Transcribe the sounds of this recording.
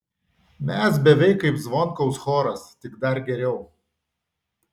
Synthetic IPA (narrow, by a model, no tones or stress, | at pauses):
mʲɛs̬bʲɛʋʲɛɪkːɐɪpzʋɔŋkɔʊsxoːɾɐst̪ʲɪɡd̪ɐɾɡʲɛɾʲɛʊ